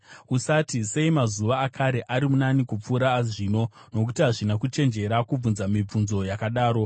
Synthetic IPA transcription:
usatise̞imazuʋaːkʰaɾe̞ʔaɾimunanikup͡fuːɾaːʐiːno̞no̞kutiɦaʐinakut͡ʃe̞nd͡ʒe̞ɾakub͡vunzamib͡vunzo̞jakaɗaːɾo̞

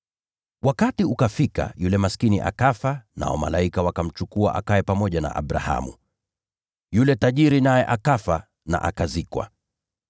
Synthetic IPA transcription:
wakatiukafika̰julɛmaskiniʔa̰kafana̰ɔma̰laikawakam̩t͡ʃukuaʔakaɛpamɔʄana̰ʔa̰ɓɾa̰ha̰mṵ | julɛtaʄiɾinajɛʔakafa | na̰ʔakazikwa̰

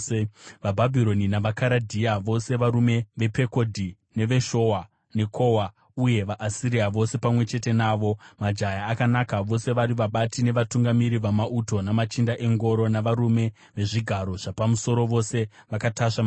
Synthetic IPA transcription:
ʋabʱabʱiɾo̞ninaʋakaɾadʱiaʋo̞se̞ʋaɾume̞ʋe̞pe̞ko̞dʱi | ne̞ʋe̞ʃo̞wa | ne̞kʰo̞wa | uje̞ʋaʔːsiɾiaʋo̞se̞pamwe̞t͡ʃe̞te̞naːʋo̞mad͡ʒajaːkanakaʋo̞se̞ʋaɾiʋaɓatine̞ʋatuŋɡamiɾiʋamaʔuto̞namat͡ʃindaʔe̞ŋɡo̞ɾo̞naʋaɾume̞ | ʋe̞ʐiɡʱaɾo̞ʐ̥apamuso̞ɾo̞ʋo̞se̞ʋakataʂam

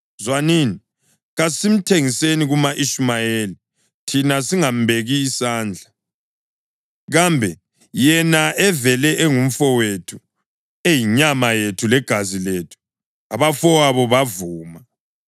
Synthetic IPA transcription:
zwaniːni | ɣasim̩tʰeŋiseniɣumaʔiʃmajeli | tʰinasiŋambʱeɣiːsaːnd͡ɮʱa | ɣambʱɛ | jɛnaʔɛvɛlɛʔeŋum̩fɔwetʰu̥ | ejiɲamajetʰulɛɡ̥ʱaziletʰu̥ | aβafɔwaβɔβavuːma

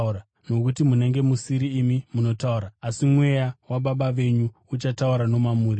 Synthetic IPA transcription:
a | no̞kutimune̞ŋɡe̞musiɾiːmimuno̞tauɾaːsimwe̞jawaɓaɓaʋe̞ɲuːt͡ʃatauɾano̞mamuːɾi

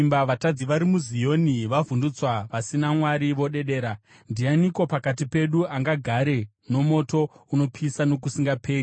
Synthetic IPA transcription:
mbaʋatad͡ziʋaɾimuzijo̞niʋavʱundut͡swaʋasinamwaɾiʋo̞ɗe̞ɗe̞ːɾa | ndianiko̞pakat̬ipe̞ɗuaŋɡaɡʱaɾe̞ | no̞mo̞to̞uno̞pʰisano̞k̬usiŋɡapʰeːu

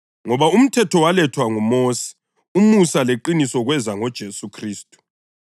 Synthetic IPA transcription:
ŋɔβaum̩tʰɛtʰɔwalɛtʰwaŋumoːsi̥ | umusaleǃinisɔɣwɛzaŋɔd̥ʒ̥ʱesukʰriːstʼu̥

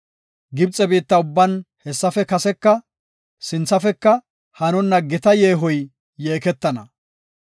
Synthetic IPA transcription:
ɡɪbt͡sʼːɛbiːt̪ːɐʊbːɐnhɛsːɐfɛkɐsɛkːɐ | sɪnt͡sːɐfɛkːɐ | hɐnɔnːɐɡɪt̪ɐjeːɦɔjː | e̞ːkɛt̪ːɐnɐ

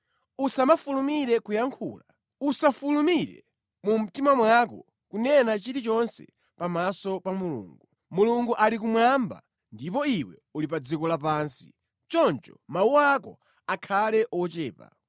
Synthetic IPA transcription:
usamafulumiɾɛkujaŋkʰṵːla | usafulumiɾɛ̰ | mum̩timamwakɔ̰ | kunɛnat͡ʃiɾit͡ʃɔnsɛ̰ | pamasɔpamulṵːŋɡu | muluŋɡuʔalik̬umwamba̰ | ndipɔiwɛ̰ | ulip̬ad͡zikɔlap̬aːnsi̥ | t͡ʃɔnt͡ʃɔmauakɔ̰ | akʰalɛʔɔt͡ʃɛːpa̰

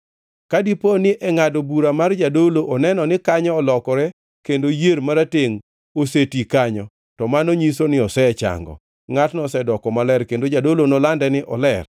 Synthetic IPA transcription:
kadiponɪʔɛŋadobuɾamard͡ʒadoloʔɔnɛnɔnɪkaɲɔːlɔkɔɾɛ | kendojeɾmaɾateŋ | osetikaɲɔ | tɔmanoɲisonɪɔsɛt͡ʃa̰ŋɡɔ̰ | ŋatnɔsɛdɔkɔmalɛrkendod͡ʒadolonɔlandɛnɪʔɔlɛr

